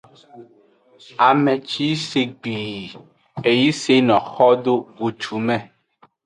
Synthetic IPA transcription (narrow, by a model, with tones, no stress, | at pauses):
a˨mɛ˨t͡ʃi˦se˨ɡ͡bi˨ | e˨ji˦se˦nɔ̃˨xɔ˦ɖo˦ɡo˨t͡ʃu˨˦mɛ̃˦˨